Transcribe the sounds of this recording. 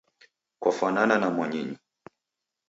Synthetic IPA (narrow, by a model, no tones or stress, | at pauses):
kwafanananamwaɲiɲi